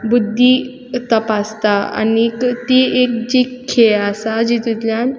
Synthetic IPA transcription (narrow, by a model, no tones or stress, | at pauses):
bud̪ʱːi | t̪əpast̪aa̰nikt̪iekd͡ʑikʰːeasad͡ʑit̪ut̪ljan